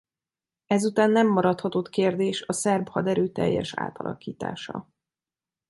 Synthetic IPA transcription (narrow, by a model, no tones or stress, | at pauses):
ɛzut̪aːnːɛmːɒɾɒt̪hɒt̪ot̪keːrd̪eːʃɒsɛrbhɒd̪ɛɾøːt̪ɛ̰jːɛ̰ʃa̰ːt̪ɒlʔɒ̰kiːt̪a̰ːʃɒ̰